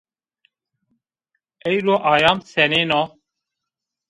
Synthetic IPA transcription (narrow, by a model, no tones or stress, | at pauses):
ɛjɾoːʔaːjaːmsɛneːnɔ